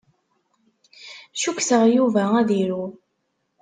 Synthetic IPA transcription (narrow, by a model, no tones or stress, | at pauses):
ʃuksəʁjuvææðiɾu